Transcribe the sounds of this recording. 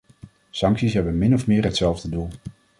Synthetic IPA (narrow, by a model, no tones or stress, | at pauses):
sɑŋksisɦɛbənmɪnɔfmɪːɹɦətsɛlˠvdədulˠ